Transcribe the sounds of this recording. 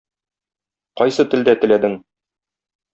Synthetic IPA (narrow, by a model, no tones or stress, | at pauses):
qɒjsɤt̪ɘ̆ld̪æt̪ɘ̆læd̪ɘŋ